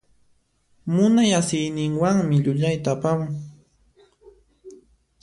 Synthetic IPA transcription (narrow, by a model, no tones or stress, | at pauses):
mʊnajasɪjnɪŋwaŋmɪʎʊʎajt̪aːpamʊ